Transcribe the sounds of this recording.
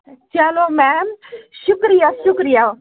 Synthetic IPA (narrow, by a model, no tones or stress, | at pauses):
t͡ʃalomɛmʃʊkɾijaʃʊkɾija